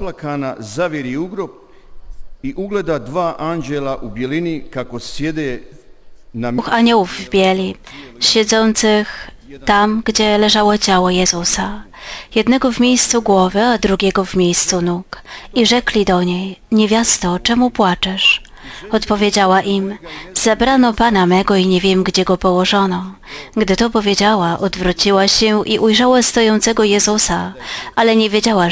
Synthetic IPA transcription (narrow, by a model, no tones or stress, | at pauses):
plakanazaʋjeɾiuɡɾop̚ | iʔuɡled̪ad̪ʋaːʔand͡ʑelaʔubjelinikakosjed̪eː | nauxaɲɔwuvːbʲjɛlʲi | ɕɛd̪zɔnt̪sɘx | t̪amɡd͡ʑɛlɛʐawɔt͡ɕawɔjɛzusajɛd̪nɛɡɔvmʲejst̪suɡwɔvɘad̪ɾuɡʲɛɡɔvmʲjejst̪sunukiʐɛklʲid̪ɔɲejɲevʲjast̪ɔt͡ʂɛmupwat͡ʂɛʂ | ɔt̪pɔvʲjed͡ʑawaʔimzɛbɾanɔpanamɛɡɔiɲɛvʲjɛmɡd͡ʑɛɡɔpɔwɔʐɔnɔ | ɡd̪ɘt̪ɔpɔvʲjed͡ʑawaʔɔd̪vɾɔt͡ɕiwaɕɛʔiʔujʐawast̪ɔjɔnt̪sɛɡɔjɛzusaalɛɲɛvʲjed͡ʑawa